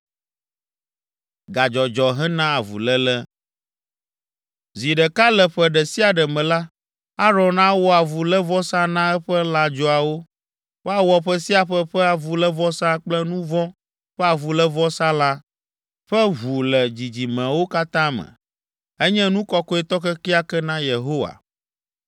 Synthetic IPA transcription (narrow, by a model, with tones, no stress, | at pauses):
ɡa˨d͡ʒɔ˨d͡ʒɔ˨ɦɛ˦nã˦a˨vṵ˨lɛ˦lɛ˦ | zi˨ɖɛ˨ka˦lɛ˨ɸɛ˦ɖɛ˨si˦a˨ɖɛ˨mɛ̃˨la˦ | a˦ɾɔ̃˨nã˦wo˦a˨vu˨lɛ˦vɔ˦sa˦nã˦ɛ˦ɸɛ˦la˦d͡ʒɔ˦a˨wo˦ | wo˦a˨wɔ˨ɸɛ˦si˦a˨ɸɛ˦ɸɛ˦a˨vu˨lɛ˦vɔ˦sã˦k͡plɛ˦nũ˦vɔ˦ | ɸɛ˦a˨vu˨lɛ˦vɔ˦sa˦la˦ | ɸɛ˦βu˨lɛ˨d͡ʑi˨d͡ʑi˨mɛ̃˨wo˦ka˦t̪ã˦mɛ̰̃˨ | ɛ˦ɲɛ̃˦nũ˦kɔ˦kɔ˦ɛ˦t̪ɔ˦kɛ˦ki˦a˦kɛ˦nã˦je˨ɦo˦wa̰˨